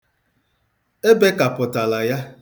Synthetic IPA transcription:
e˦be˦ka˨pʊ˨ta˨la˨ja˦

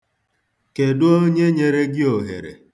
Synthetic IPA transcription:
ke˨dʊ˦o˦ɲe˦ɲe˨ɾe˦ɡɪ˦o˨ɦḛ˨ɾḛ˨

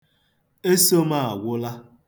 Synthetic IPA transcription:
e˦so˦ma˦˨a˨ɡʷʊ˦la˦

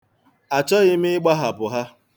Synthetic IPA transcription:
a˨t͡ʃɔ˦ɣɪ˦m̩ɪ˦ɪ˦ɡ͡ba˦ɦa˨pʊ˨ɦa˦

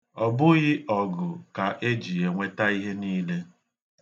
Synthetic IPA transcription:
ɔ˨bʊ˦ɣɪ˦ʔɔ˨ɡʊ˨ka˨ʔe˦d͡ʒi˨je˨ŋʷe˦ta˦i˦ɦe˦niː˦le˦

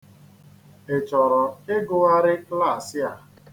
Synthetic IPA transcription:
e˨t͡ʃɔ˨ɾɔ˨ɪ˦ɡʊ˦a˦ɾɪ˦kla˦˨sɪ˦a˨

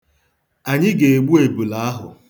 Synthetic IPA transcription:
a˨ɲɪ˦ɡe˨e˨ɡ͡bu˦e˨bu˨la˨˦a˦ɦʊ̰˨

